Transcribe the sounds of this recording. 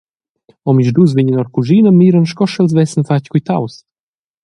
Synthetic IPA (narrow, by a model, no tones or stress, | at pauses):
ɔmiʒd̪us̬viɲənɔɾkuʒinəmiɾənʃkɔʃɛlzvɛsənfackujt̪a̰ws